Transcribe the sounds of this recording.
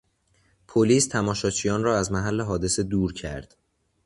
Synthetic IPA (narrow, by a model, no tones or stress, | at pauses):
pʰoliːst̪ʰæmɒːʃɒːt͡ʃʰijɒːnrɒːæzmæɦælːeɦɒːd̪e̞se̞d̪uːɾcʰæ̰ɾd̪̥